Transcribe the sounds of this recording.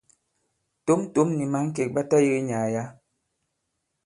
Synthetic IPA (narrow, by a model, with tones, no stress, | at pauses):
to˦m˦to˦mni˨ma˦ŋ̩˦k̬e˨k̚ɓa˦ta˦ji˦ɣe˦ɲaː˨ja˦